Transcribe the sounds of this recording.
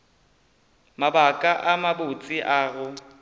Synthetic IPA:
mabakʼaʔamabʊt͡sʼɪʔaːɣʊ

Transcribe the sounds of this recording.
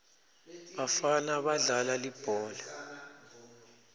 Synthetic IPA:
ɓafanaɓaɮalalib̥ʱɔːla

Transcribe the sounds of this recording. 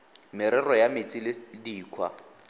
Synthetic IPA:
mɪɾɛrɔjamɪt͡sʼilɪdiːkʰwa̰

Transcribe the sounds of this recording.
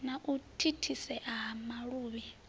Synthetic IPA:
naʔutʰitʰisɛʔaɦamaɺuːβɛ

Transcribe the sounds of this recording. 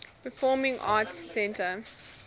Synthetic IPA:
pəfɔːmɪ̃ŋʔɑːtsːɛ̃ntə

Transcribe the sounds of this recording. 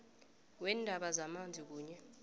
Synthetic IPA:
wɛndʱaɓazamand͡zʱik̬uːɲɛ

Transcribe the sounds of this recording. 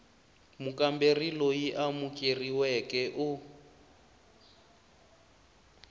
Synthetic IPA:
mukʼamberilojiʔamukʼeriwɛkʼɛʔʊ

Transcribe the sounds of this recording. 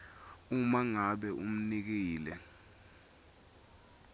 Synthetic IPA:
umaŋaɓɛʔum̩nik̬iːlɛ

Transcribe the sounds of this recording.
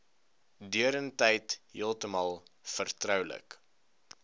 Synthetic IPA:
dyəɾəntɛjtɦḭəlˠtəmɐlˠfərtrœwlə̰k

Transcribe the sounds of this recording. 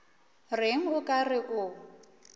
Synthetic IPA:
rɪŋ̩ʊkʼarɪʔʊ

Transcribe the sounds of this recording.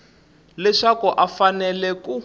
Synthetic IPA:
lɛʂakɔʔafanɛlɛku

